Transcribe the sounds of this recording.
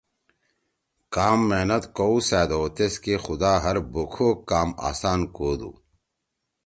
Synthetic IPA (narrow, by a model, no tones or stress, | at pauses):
kaːmːeːnɐt̪kousæːd̪oːt̪eskexud̪aːɦɐɾbukʰoːkaːma̰ːsaːnkoːd̪ṵː